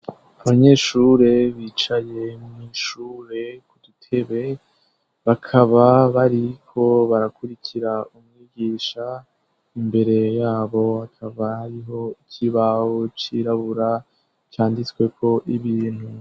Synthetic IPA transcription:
aβaɲe̞ːʃuːɾe̞βiːt͡ʃaje̞mmiʃuːɾe̞kudutʰe̞βe̞ | βakʰaβaβaɾikʰo̞βaɾakuɾikʰiɾaumŋiːɡiːʃa | imbe̞ɾe̞jaːβo̞hakʰaβahaɾiɦo̞icʰiβahot͡ʃiɾaβuɾa | t͡ʃaːndit͡swe̞kʰo̞ʔiβiːn̥hu

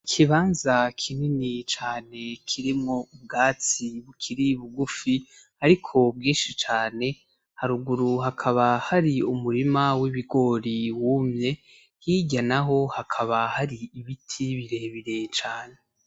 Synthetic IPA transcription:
kʰiβaːnzakʰininit͡ʃaːne̞kʰiɾimŋo̞ubɡaːt͡siβukʰiɾiβuɡufi | aɾikʰo̞bɡiːʃit͡ʃaːne̞ | haɾuɡuɾuhakʰaβahaɾiumuɾimawiβiɡo̞ɾiwumɲe̞ | hiɟanaɦo̞hakʰaβahaɾiːβitʰiβiɾe̞ːβiɾe̞t͡ʃaːne̞

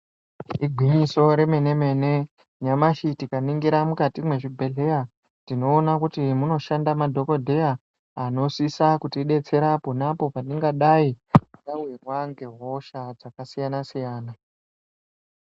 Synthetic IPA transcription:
iɡʱwiɲiso̞ɾe̞me̞ne̞me̞ne̞ | ɲamaʃitikaniŋɡiɾamukatimwe̞ʐibʱe̞ɮe̞ja | tino̞ːnakutimuno̞ʃandamadʱo̞ko̞dʱe̞jaː | no̞sisakutiɗe̞t͡se̞ɾaponapo̞paniŋɡaɗaiikawirwaŋɡe̞ɦoʃad͡zakasijanasijaːna

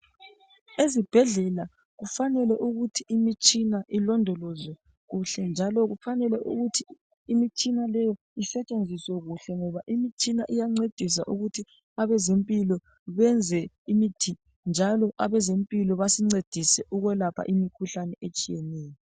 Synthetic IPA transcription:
ezib̥ʱɛɮɛla | ɣufanɛlɛʔuɣutʰiːmit͡ʃʼinaʔilɔndʱɔlɔzɛ | ɣuɬɛnd͡ʒʱalɔɣufanɛlɛʔṵɣutʰiː | mit͡ʃʼinalɛjɔ | isɛt͡ʃʼend͡zʱiswɛɣuɬɛŋɔβaʔimit͡ʃʼinaʔijaŋ͡ǀed̥ʱis̬a̰ʔuɣutʰi | aβɛzempʼilɔ | βɛnd͡zʱɛ | imitʰi | nd͡ʒʱalɔʔaβɛzempʼilɔβasiŋ͡ǀed̥ʱisɛʔuɣwɛlapʰa̰ʔimikʰuɬanɛʔet͡ʃʼijɛnɛːjɔ

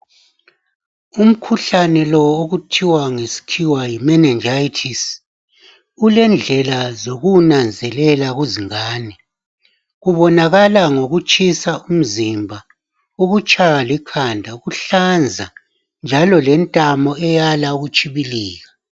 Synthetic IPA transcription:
um̩kʰuɬanɛlɔoɣutʰiwaŋesi̥tʰiwajimɛnɛnd͡ʒʱajitʰis | ulɛnd͡ɮʱɛlazoɣunand͡zʱɛlɛlaɣuziŋaːni | ɣuβɔnaɣalaŋoɣut͡ʃʼisaum̩zimbʱa | uɣut͡ʃʼʰajalikʰandʱauɣuɬand͡zʱa | nd͡ʒʱalɔlɛntʼamɔɛjalauɣut͡ʃʼiβiliːɣa

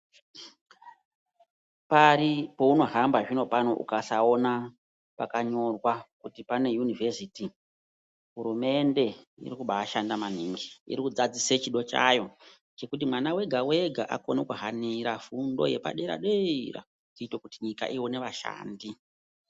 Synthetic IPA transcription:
paɾipo̞uno̞ɦambaʐino̞pano̞ʔṵkasao̞na | pakaɲo̞rwakutipane̞junivesiti | ɦuɾume̞nde̞ | ḭɾikuɓaaʃandamaniŋɡiḭɾikud͡zad͡ziset͡ʃiɗo̞t͡ʃa̰jo̞ | t͡ʃe̞kut̬imwanawe̞ɡʱawe̞ɡʱaʔa̰ko̞nekuɦaniɾafundo̞̰je̞pa̰ɗeɾa̰ɗeira̰ | tiːtwekutiɲika̰ʔiwone̞ʋaʃa̰ːndi

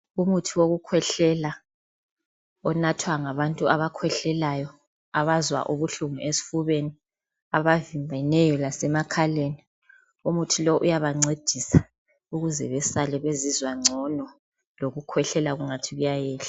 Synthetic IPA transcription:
umutʰiwoɣukʰwɛɬɛla | ɔnatʰwaŋaβantʼuaβakʰwɛɬɛlajɔ | aβazwa̰ʔuβuɬumuʔesi̥fuβeni | aβavimbʱanɛjɔlasɛmakʰaleni | umutʰilɔʔujaβaŋ͡ǀed̥ʱisa | uɣuzɛ̰βɛsalɛβezizwaŋ͡ǀʱɔnɔ | loɣukʰwɛɬɛlaɣuŋatʰiɣujajɛːɬḁ

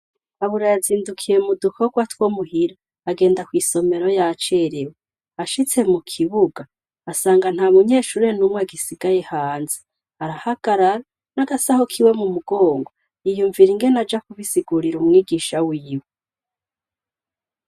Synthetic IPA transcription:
aβuɾajaziːndukʰije̞mudukʰoɡwatwomuhiɾa | aɡe̞ːndakwiːso̞me̞ɾo̞jat͡ʃe̞ɾewe | aʃit͡se̞mukʰiβuɡa | asaːŋɡan̥haːmuɲe̞ːʃuːɾe̞numweaɡisiɡ̥aje̞haːnze | aɾahaɡ̥aɾaɾa | naɡasahokʰiwe̞mumuɡ̥o̞ːŋɡo | ijuɱviɾiŋɡenad͡ʒakuβisiɡuɾiɾumŋiːɡiʃawiːwe

